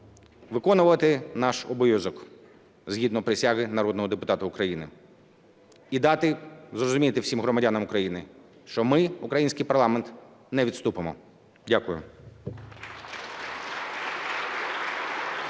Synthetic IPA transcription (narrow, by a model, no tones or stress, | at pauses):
ʋɪkɔnʊʋʋɐt̪ɪnɑʃɔbɔjʲɔzɔk | zɦʲid̪nɔpɾɪsʲaɦɪnɐɾɔd̪nɔɦɔd̪epʊt̪ɑt̪ʊukɾɐjinɪ | id̪ɑt̪ɪzrɔzʊmʲijt̪ɪwsʲimɦɾɔmɐdʲanɐmʊkɾɐjinɪ | ʃt͡ʃɔmɪukɾɐjinʲsʲkɪjpɐɾrlˠɑment̪ | nɛʋʲid̪st̪upemɔ | dʲakʊjʊ̰